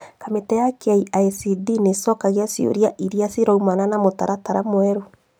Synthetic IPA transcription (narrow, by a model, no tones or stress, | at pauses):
kametɛjakaiʔaisidinesɔkaɣeasjo̰ɾiaʔiɾiaseɾɔumananamota̰ɾataɾamwɛɾo